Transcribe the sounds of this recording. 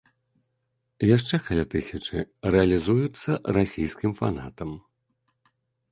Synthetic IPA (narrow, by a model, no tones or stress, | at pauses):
jaʂt͡ʂɛkalʲat̪ɨsʲɐt͡ʂɨrɛɐlʲizujut̪sːɐrasʲijskʲimfa̰nat̪ɐm